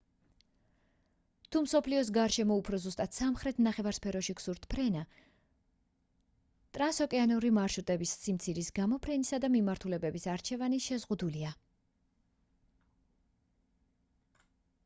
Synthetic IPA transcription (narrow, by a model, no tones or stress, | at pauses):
t̪ʰumsɔpʰliɔs̬ɡaɾʃɛmɔupʰɾɔzust̪ʼat̪ʰsamχɾɛt̪ʰnaχɛvaɾspʰɛɾɔʃiksuɾt̪ʰpʰɾɛna | t̪ʼɾansɔkʼɛanuɾimaɾʃut̪ʼɛbisːimt̪sʰiɾisɡamɔpʰɾɛnisad̪amimaɾt̪ʰulɛbɛbisaɾt͡ʃʰɛvaniʃɛzʁud̪ulia